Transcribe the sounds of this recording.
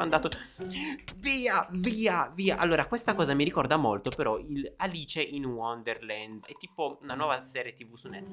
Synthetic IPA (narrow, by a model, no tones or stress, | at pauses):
and̪aːt̪o | viːaviːaviːaʔalːoːɾakwest̪akɔːzamiɾikɔrd̪amolt̪opeɾɔilaliːt͡ʃeʔinwɔnd̪erlɛnd̪ɛt̪ːiːpounanwɔːvasɛːɾjet̪ivusunːɛt̪ː